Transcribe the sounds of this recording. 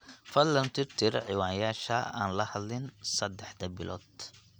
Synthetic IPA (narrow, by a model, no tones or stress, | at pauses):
fɐllɐnt̪ʰɪrt̪ʰɪɾʕɪwaːnjaːʃɐa̰ːnlɐhɐd̪lɪnsɐd̪ːɛħd̪ɐbɪlʔɔ̰ːd̪